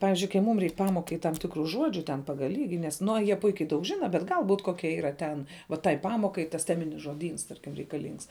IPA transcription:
ˈpɑːʋʲɪzʲd͡ʒʲʊɪ kɐɪ ˈmuːm ˈrʲɛɪk ˈpɑːmoːkɐɪ tɐm ˈtʲɪkrʊ ˈʒuɔd͡ʒʲʊ tʲɛn ˈpɑːɡɐlˠ ˈlʲiːɡʲɪ nʲɛs nʊ oː jiɛ ˈpʊɪkʲɛɪ dɐʊk ˈʒʲɪnɐ bʲɛt ˈɡɐlˠ buːt ˈkoːkʲɛ iːˈrɐ tʲɛn ʋɐ tɐɪ ˈpɑːmoːkɐɪ tɐs ˈtʲæːmʲɪnʲɪs ʒoːˈdʲiːns tɐrʲkʲɪm rʲɛɪkɐˈlʲiːŋks

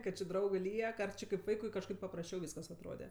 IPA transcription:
ˈkɐt t͡ʃʲɪ ˈdrɐʊɡɜ ˈlʲiɛk ɐr ˈt͡ʃʲɪ kɐɪp ˈʋɐɪkʊɪ kɐʃˈkɐɪp pɐprɐsʲˈt͡ʃʲɛʊ ˈʋʲiːskɐs ɐtˈroːdʲɛ

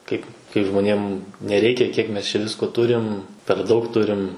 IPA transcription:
ˈkɐɪp kɐɪ ʒmoːˈnʲeːm nʲɛˈrʲɛɪkʲɛ kʲiɛk ˈmʲɛs t͡ʃʲɛ ˈʋʲɪskoː ˈtʊrʲɪm pʲɛr ˈdɐʊk ˈtʊrʲɪm

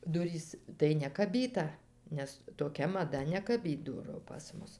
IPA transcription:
ˈdʊrʲiːs tɐɪ nʲɛkɐˈbʲiːtɐ nʲɛs toːˈkʲɛ mɐˈdɐ nʲɛkɐˈbʲiːt ˈdʊrʊ pɐs ˈmʊs

